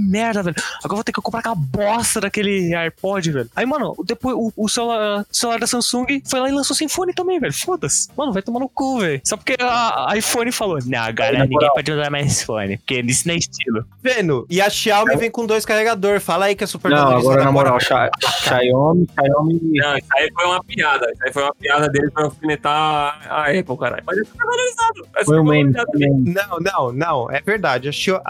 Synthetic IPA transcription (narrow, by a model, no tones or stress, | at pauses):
mɛɾd̪ɐvɛlʊaɡɔɾɐvot̪ejkɪkõpɾakɛlɐbɔsɐd̪ɐkelɪajpɔd͡ʒɪvɛlʊaimɐ̃nʊ̰d̪epojzʊʊsellaɾʊselaɾd̪ɐsɐ̃sũɡɪfojlaɪlɐ̃sosajfõnɪt̪ɐ̃mbẽj̃vɛlʊfod̪ɐsmɐ̃nʊvajt̪õmanʊkuvɛlʊsɔpoɾkeaajfõnɪfalonɐ̃w̃a̰ɡannĩẽpɔd͡ʒɪmɐ̃zaɾmajzasfõ̰nɪpoɾkenisʊnẽɪst͡ʃilʊvẽnʊɪaʃiawmɪvẽj̃kõd̪ojskaheɡad̪oɾfalɐaikɪɛsupeɾnɐ̃w̃aɡɔɾɾɐnamoɾawaʃaaʃajõmʃajõmiɐ̃w̃isaifojũmɐpiad̪ɐisaifojũmɐpiad̪ɐd̪elɪpɾafinet̪aaɛpowkaɾa̰ʎʊmajzɛsuɛɾvaloɾizad̪ʊɛfojʊ̃mẽmiamẽmnɐ̃w̃nɐ̃w̃nɐ̃w̃ɛveɾd̪ad͡ʒɪaʃa